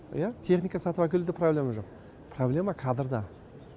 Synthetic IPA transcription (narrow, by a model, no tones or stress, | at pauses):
jat̪ʰe̞χnijkɑsɑt̪uwækʲʰelud̪ɪproblʲe̞maʒoq̚ | pʰroblʲe̞makʰɑd̪əɾd̪ɑ